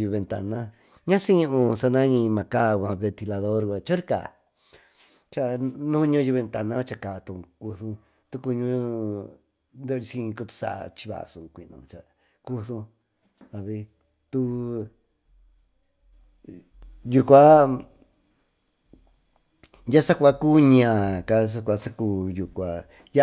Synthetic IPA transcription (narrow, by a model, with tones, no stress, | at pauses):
ju˧βe˧nt̪a̰˧nã˦ | ɲã˦si˦ɲũ˦ʔũ˧sa˧nã˦ɲĩ˧mã˨ka˦˨kʷã˧βe˧nt̪i˧la˧ðo˦ɾkʷa˧t͡ʃo˦ɾi˦ka̰˨ | t͡ʃa˧nũ˦ɲũ˧˦˧ju˧βe˧nt̪a˧nã˦t͡ʃa˧ka˨˧t̪ũ˧˨ku˧θu˧ | t̪u˧ku˧ɲũ˦ | nd̪e˦˧ɾi˧sĩ˧ko˧t̪u̥˧sa̰˧˨˧t͡ʃi̥˧βa̰˧˨sũ˨˧kʷi˨˧nṵ̃˧˨t͡ʃa˧ | ku˦θũ˧ | ða˧βi˧ | t̪u˧˦ | ju˧kʷa˦ | ja˦sa˦kʷa˧ku˦ɲã˧˨ka˧s̬a˧kʷa˧sa˦ku˧˦ju˨kʷa˨ | ja˦